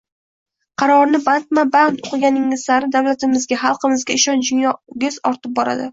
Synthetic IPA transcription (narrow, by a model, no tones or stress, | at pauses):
qʰɑɾɒɾnɪbant̪mabant̪oqɨɡʲanɪŋɪzsaɾɪd̪awlat̪ɪmɪzɡʲaχɑlˠqɨmɪzɡʲaɪʃɒnd͡ʒʊnjɒɡʲɪzɒɾt̪ʰɪp̚bɒɾa̰d̪ɪ